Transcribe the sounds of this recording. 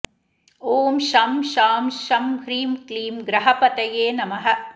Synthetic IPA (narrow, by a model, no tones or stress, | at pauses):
oːmʃɐmʃaːmʃɐmhɾiːmkliːmɡɾɐɦɐpɐt̪ɐjeːnɐmɐɦɐ̆